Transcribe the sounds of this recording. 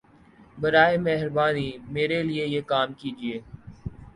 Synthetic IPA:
bɐɾaːemɛːɦɾbaːnimeːɾeliejekaːmkiːd͡ʒieː

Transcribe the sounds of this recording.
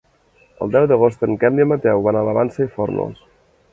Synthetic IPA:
ə̰lˠd̪ɛwðəɣost̪əŋkɛmd̪iəmət̪ɛwβanaləβansəifo̰ɾno̰lˠs

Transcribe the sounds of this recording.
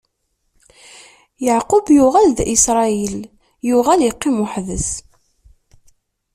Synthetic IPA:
jaʕqʊbjʊʁælðʔisɾˤɑil | jʊʁæljəqːimʊħðəs

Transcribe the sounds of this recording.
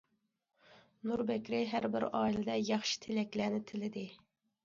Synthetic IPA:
nuɾbɛkʲɾɪɦæɾbɪ̰ɾɑːilɪd̪ɛjɑχʃi̥t̪ʰelɛkʲlænɪt̪ʰɪlɪd̪ɪ

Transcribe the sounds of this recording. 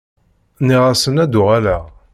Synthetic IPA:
niʁæsənæd̪ʊʁælæ

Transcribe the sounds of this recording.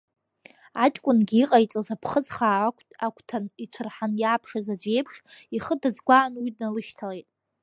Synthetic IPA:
at͡ʃʼkʷʼʊnɡʲiiqʼajt͡sʷʼozapʰχəd͡zχaːakʷʰʼtʰʼakʷʰtʰanit͡ɕʷʰɨrħanjaːpʰʂazad͡ʒʷe̞jpʰʂiχədad͡zɡʷaːnwidnalɨʃtʰalejtʼ

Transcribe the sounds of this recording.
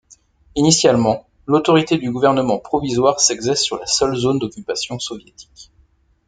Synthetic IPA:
inisjalmɑ̃ | lot̪ɔʁit̪ed̪yɡuvɛʁnəmɑ̃pχɔvizwaʁsɛɡzɛsːyʁlasœlzond̪ɔkʲypasjɔ̃sɔvjet̪ʰi̥k

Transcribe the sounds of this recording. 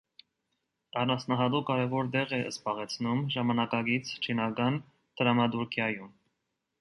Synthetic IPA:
ɑnɑt͡sʰnɑɦɑt̪ukɑɾɛvɔɾd̪ɛʁɛʔə̰spɑʁɛt͡sʰnumʒɑmɑnɑkɑɡit͡sʰt͡ʃʰinɑkɑn | d̪̥əɾɑmɑt̪uɾkʰjɑjum

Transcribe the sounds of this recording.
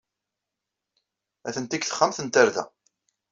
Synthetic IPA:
æθənt̪ikθə̥χːəmθənt̪aɾðæ̰

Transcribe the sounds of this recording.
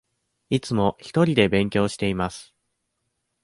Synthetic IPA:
it͡sɨmo̞çi̥t̪o̞ɾʲid̪e̞bẽ̞ŋkʲo̞ːɕi̥t̪e̞imasɨ̥

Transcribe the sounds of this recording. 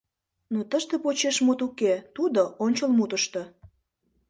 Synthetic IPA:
not̪əʃt̪epot͡ɕeʃmut̪uket̪ud̪oʔonʲt͡ɕəlmut̪əʃt̪o

